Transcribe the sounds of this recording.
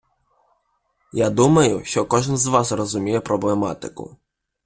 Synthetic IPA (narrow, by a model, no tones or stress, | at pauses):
jad̪umɐjʊʃt͡ʃɔkɔʒɪnzʋasrɔzumʲijɛpɾɔblɛma̰t̪ɪkʊ̰